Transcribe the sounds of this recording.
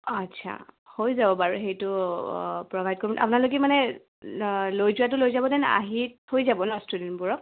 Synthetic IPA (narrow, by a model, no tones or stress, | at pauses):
ətsʰa̰hojzabɔbaɹuɦejtʊ | pɹɔbʱajd̚koɹbɔnʔa̰pʊnalok̬ɛmanɛ | lojzʊwat̬ʊlojzabɔdɛna̰ɦithojzabɔnɔstudinbuɹɔk̚